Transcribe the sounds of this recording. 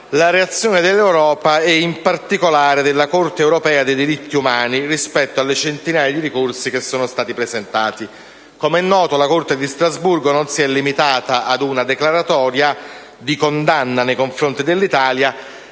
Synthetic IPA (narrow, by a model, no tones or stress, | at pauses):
laɾeat̪sːjoːned̪elːewɾɔːpaɛimpart̪ikolaːɾed̪elːakort̪eːwɾopɛːad̪ejd̪iɾit̪ːiumaːnirispɛt̪ːoalːet͡ʃent̪inaːjad̪iɾikorsik̟esːoːnost̪aːt̪ipɾezent̪aːt̪i | komɛnːɔːt̪olakort̪ed̪ist̪ɾazburɡononsiɛlːimit̪aːt̪aʔad̪unad̪eklaɾat̪ɔːɾja | d̪ikond̪anːanejkoɱfɾont̪id̪elːit̪aːlja